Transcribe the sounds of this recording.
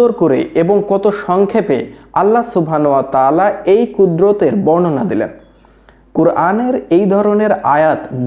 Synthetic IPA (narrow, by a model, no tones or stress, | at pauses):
oɾkoɾḛʔeboŋkɔt̪oʃɔŋkʰepealːasubʱanowat̪aːlaejkud̪ɾot̪eɾbɔnonad̪ilḛn | kuɾaneɾejd̪ʱɔɾoneɾa̰jat̪b